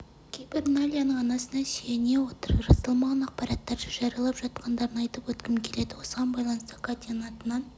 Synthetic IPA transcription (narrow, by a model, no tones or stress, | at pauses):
kʲʰejbɪɾnalʲijanəɴɑnɑsənɑʃene̞wo̞t̪əɾʒɑsəlˠmɑʁɑnɑq̚pɑɾɑt̪ːɑɾdɑʒɑɾijɑlˠɑpʒ̥ɑt̪qʰɑnd̪ɑɾənɑjt̪əpwɵt̪kʲɪmkʲʰe̞le̞d̪ɪwo̞səʁɑnbɑjlˠɑnəst̪əkʰat̪ʲnɑt̪ənɑn